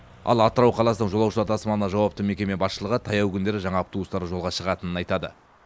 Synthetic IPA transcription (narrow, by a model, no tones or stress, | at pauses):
ɑ̰lˠɑt̪əɾɑwqʰɑlˠɑsənəɴʒo̞lˠɑwʃəlˠɑɾt̪ʰɑsmɑnənɑʒɑwɑp̚t̪əme̞kʲe̞me̞bɑsʃəlˠəʁət̪ʰɑjɑwkʲʰʏnd̪e̞ɾɪʒɑɴɑp̚t̪uəst̪ɑɾəʒolʁɑʃəʁɑt̪ənənɑjt̪ɑd̪ə̰